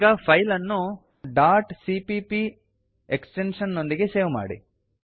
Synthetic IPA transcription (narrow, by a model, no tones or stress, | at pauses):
ɡɐpʰɐjlɐnːu | ɖaːɾʈsipipi | eksʈenʂɐnːo̞nd̪iɡe̞seːʋma̰ːɽḭ